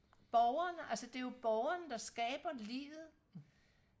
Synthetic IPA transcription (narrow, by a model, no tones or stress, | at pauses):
b̥ɒʊɐnəʔælsəd̥e̝jo̝b̥ɒʊɐnəd̥ɑ̈sɡ̥ɛːb̥ɐlḭːʋð̩ˠ